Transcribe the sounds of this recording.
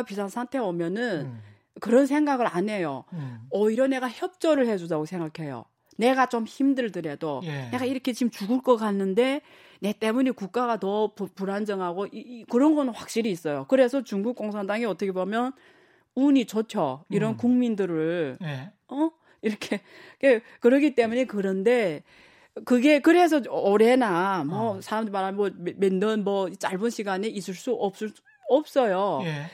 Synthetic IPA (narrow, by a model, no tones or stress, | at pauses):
pisʰansʰaŋtʰe̞omjʌnɯn | kɯɾʌns̬ʰe̞ŋɡaɡɯɾane̞jo̰ʌiɾʌne̞ɡaçjʌp̚t͡ɕ͈ʌɾɯɭhe̞d͡ʑudaɡosʰe̞ŋɡakʰe̞jo̰ | ne̞ɡat͡ɕomçimdɯɭdɯɾe̞done̞ɡaiɾʌkʰe̞t͡ɕimt͡ɕuɡɯɭk͈ʌkanːɯnde̞ | ne̞t͈e̞muɲekuk̚k͈aɡatʌppuɾand͡ʑʌŋɦaɡoʔikɯɾʌnɡʌnɯnɸwak̚ɕ͈iɾiːs͈ʌjokɯɾe̞sʰʌt͡ɕuŋɡuk͈̚oŋsʰandaŋiʌt͈ʌkʰe̞bomjʌn | uɲit͡ɕot͡ɕʰjʌiɾʌnkuŋmindɯɾɯɭ | ʌ | iɾʌkʰe̞ | k͈e | kɯɾʌkit͈e̞muɲekɯɾʌnde̞ | kɯɡe̞kɯɾe̞s̬ʰʌoɾe̞namʌsʰaɾamdɯɾimaɾɦaomendʌnmʌit͡ɕ͈aɭbunɕʰiɡaneis͈ɯɭs͈uʔʌp̚s͈ | ʌp̚s͈ʌjo